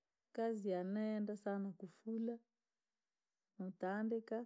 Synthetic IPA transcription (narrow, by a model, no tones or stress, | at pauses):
kazianɛndasanakufula | mut̪andɛka